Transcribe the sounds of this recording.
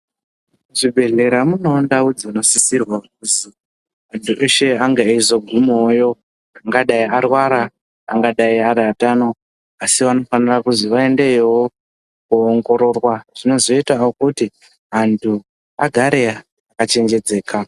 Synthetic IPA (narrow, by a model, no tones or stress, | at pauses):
ʐibʱe̞ɮe̞ɾamuno̞ndaud͡ziuno̞sisirwakuzi | ɦantʰuʔe̞ʃe̞aŋɡeizo̞ɡʱumojo̞ | aŋɡaɗaiarwaɾa̰ː | ŋɡaɗaiaɾatano̞ | asiʋano̞fanirakuziʋae̞nde̞jewo | kuːŋɡo̞ɾo̞rwaʐ̥ino̞zo̞itaokuti | ɦantʰu | aɡʱaɾea | akat͡ʃe̞nd͡ʒe̞d͡ze̞ːka